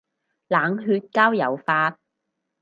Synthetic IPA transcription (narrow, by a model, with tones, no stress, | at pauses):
laː˨˥ŋɦyː˧t̚kaː˥wjɐ˨˩wfaː˧t̚